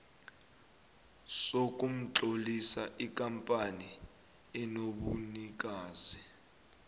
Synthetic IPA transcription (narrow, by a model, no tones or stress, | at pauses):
sokʼum̩t͡ɬʼolisaʔikʼampʼani | ɛnoɓunik̬aːzi